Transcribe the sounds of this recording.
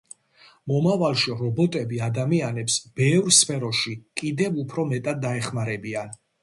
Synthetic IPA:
mɔmavalˠʃiɾɔbɔt̪ʼɛbiad̪amianɛpsb̥ɛvɾspʰɛɾɔʃikʼid̪ɛvupʰɾɔmɛt̪ʼad̪̚ːaɛχmaɾɛbian

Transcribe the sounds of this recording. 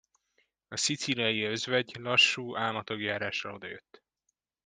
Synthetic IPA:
ɒsit̪silɒjiø̞zvɛɟlɒʃːuːʔaːlmɒt̪o̞ɡjaːɾaːʃrɒo̞d̪ɒjø̞t̪ː

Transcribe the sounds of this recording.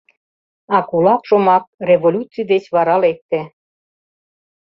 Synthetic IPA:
ɑkulɑpʃomɑk̚rʲevolʲut͡sijd̪et͡ɕβɑɾɑlek̚t̪ĕ

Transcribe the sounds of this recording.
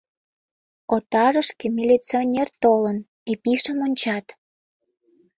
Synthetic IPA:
ot̪ɑɾəʃkemilʲit͡sionʲert̪olən | epiʃəmonʲt͡ɕɑt̪

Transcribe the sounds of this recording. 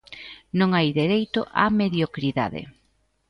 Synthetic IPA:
nõŋajðeɾejt̪ʊʔa̰meðjokɾiða̰ðḛ

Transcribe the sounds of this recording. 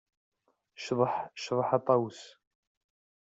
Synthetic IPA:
ʃðˤħʃðˤəħɑt̪ˤɑws

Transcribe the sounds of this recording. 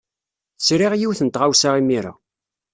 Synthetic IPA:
θsɾiʁjiwθənt̪ʁawsaʁimiɾa̰

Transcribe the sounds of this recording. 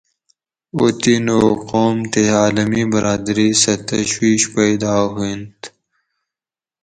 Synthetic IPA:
o̰t̪inoqoːmt̪eaːləmibɐɾaːd̪ɾisɐt̪ɐɕwiːʃpɐjd̪aːɦuint̪

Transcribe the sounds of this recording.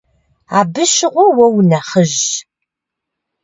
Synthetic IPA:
aːbɨʃɪʁʷʊwɐwnɐχəʒ

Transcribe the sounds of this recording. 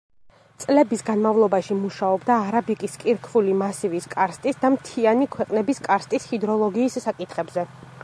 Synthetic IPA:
t̪sʼlɛbisɡanmavlˠɔbaʃimuʃaɔbd̪aːɾabikʼiskʼiɾkʰvulimasiviskʼaɾst̪ʼisd̪amt̪ʰianikʰwɛqʼnɛbiskʼaɾst̪ʼishid̪ɾɔlˠɔɡiːsːakʼit̪ʰχɛbzɛ

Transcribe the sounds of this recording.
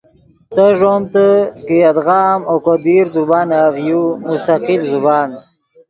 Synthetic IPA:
t̪əʐomt̪əkiad̪ɣɑːmokod̪iɾzubɑːnaɣjumust̪aqilzubaːn

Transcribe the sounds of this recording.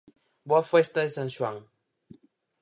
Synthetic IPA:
bwafwɛstəsən̩swaŋ

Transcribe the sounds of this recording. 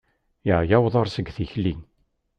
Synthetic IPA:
jəʕjæwðˤəɾˤsəɡθiçlin

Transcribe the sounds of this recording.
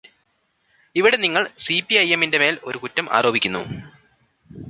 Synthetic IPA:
iʋiɽe̞niŋːɐɭsipiɐjemːinde̞me̞ːlo̞ɾukutːɐmʔa̰ːɾo̞ːbʱikʲːunːṵ

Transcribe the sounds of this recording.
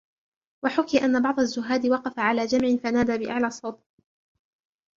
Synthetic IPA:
waħʊkɪjʔanːabɑʕd̪ˤazːʊɦaːd̪ɪwɑqɑfaʕalaːd͡ʒamʕɪfanaːd̪aːbɪʔa̰ʕlaːsˤːɑwt̪ˤ

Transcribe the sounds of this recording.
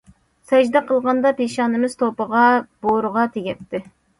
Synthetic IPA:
sɛd͡ʒd̪ɛqʰəlˠʁɑnd̪ɑpʰeʃɑːnɨmɨz̥t̪ʰopəʁɑb̥oɾəʁɑt̪ʰeɡʲɛt̪ʰːɪ

